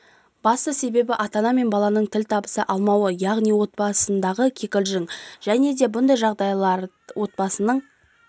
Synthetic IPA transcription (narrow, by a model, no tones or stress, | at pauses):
b̥ɑst̪əse̞be̞bɪʔɑt̪ɑnɑme̞nbɑlˠɑnəɴt̪ʰɪlt̪ʰɑbəsəʔɑlˠmɑwəjɑʁnijwo̞t̪̚bɑsənd̪ɑʁəkʲʰekʲɪlʒɪŋʒ̥æne̞d̪e̞bʊnd̪ɑjʒɑʁd̪ɑjlˠɑɾ | wʔo̞t̪̚bɑsənəɴ